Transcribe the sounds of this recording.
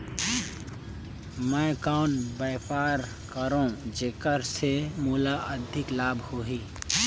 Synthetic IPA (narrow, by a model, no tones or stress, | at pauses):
mɛ̃ːkaʊnbəːpaːɾ | kəɾõːd͡ʒeːkəɾsemuːlaʔəd̪ʱɪklaːbʱhoːɦiː